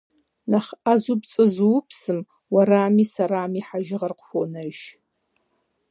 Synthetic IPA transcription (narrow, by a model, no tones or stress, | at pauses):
naχazupt͡sʼɨzupʰsɨm | waɾaːmisaɾaːmiħaʒɪʁarqʰʷonɨʒ